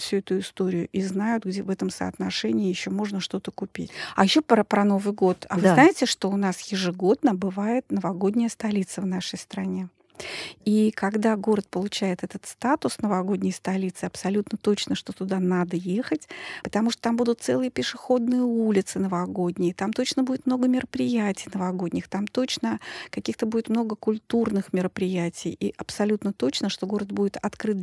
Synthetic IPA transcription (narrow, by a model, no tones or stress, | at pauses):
fsʲuɛt̪ʊɪst̪o̞ɾʲɪjʊʔiznajʊt̪ɡdʲevɛt̪əmsə̰ɐt̪nɐʂɛnʲɪɪːjɪɕːo̞mo̞ʐnəʂt̪o̞t̪əkʊpʲitʲɐjɪɕːopɾəpɾɐno̞vɨjɡo̞t̪ɐvɨznaɪtʲɪʂt̪o̞ʊnasjɪʐɨɡo̞d̪nəbɨvajɪt̪nəvɐɡo̞dʲnʲəjəst̪ɐlʲit̪səvn̪aʂəjst̪ɾɐnʲe̞ | ikaɡd̪aɡo̞ɾət̪̚pəlˠʊt͡ɕæjɪt̪ɛt̪ət̪st̪at̪ʊsnəvɐɡo̞dʲnʲəjst̪ɐlʲit̪sɨɐpsɐlʲut̪nət̪o̞t͡ɕnəʂt̪o̞t̪ʊd̪anad̪əje̞xətʲpə̥t̪ɐmuʂt̪ot̪ambud̪ʊt̪t̪sɛ̰lˠɨjəpʲɪʂɨxo̞d̪nɨjəulʲɪt̪sɨnəvɐɡo̞dʲnʲɪjət̪amt̪o̞t͡ɕnəbudʲɪt̪mno̞ɡəmʲɪɾəpɾʲɪjætʲɪjnəvɐɡo̞dʲnʲɪxt̪amt̪ot͡ɕnəkɐkʲixt̪əbudɪt̪mno̞ɡəkʊlʲt̪urnɨxmʲɪɾəpɾʲɪjætʲɪjiʔɐpsɐlʲut̪nət̪o̞t͡ɕnəʂt̪o̞ɡo̞ɾət̪̚budʲɪt̪ɐt̪kɾɨt̪